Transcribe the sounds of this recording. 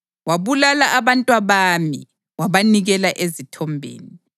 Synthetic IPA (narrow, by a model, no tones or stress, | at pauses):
waβulalaʔaβantʼwaβamḭ | waβaniɣɛlaʔezitʰɔmbʱḛːni